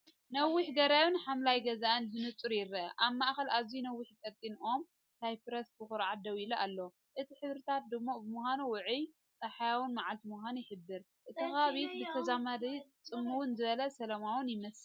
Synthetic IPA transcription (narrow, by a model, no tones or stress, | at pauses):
nɐwːɪħɡɐɾawunħamlajɡɐzaʔɨnzɨnɨt͡s̪ʼːuɾjɪɾɐɐʔaβmaʔxɐlaβzinɐwːʊħk̪ʼɐt̪ʼːinʔo̞m | t̪ʰajpɨɾɐsbɨxuɾʕat̪̚d̪ɐwiluʔalːɐw | ʔɨt̪ʰiħɨβɾɨt̪ʰat̪̚d̪ɨmːobɨmuhanuwʊʕij | t͡sʼɐħajawʊnmaʕalt̪imuhanjɪħɨbːɨɾ | ʔɨt̪ʰɨxaβit̪bɨt̪ʰɐzamad̪it͡sʼɨmːuwunzɨβɐlɐsɐlɐmawʊnjɪmɐs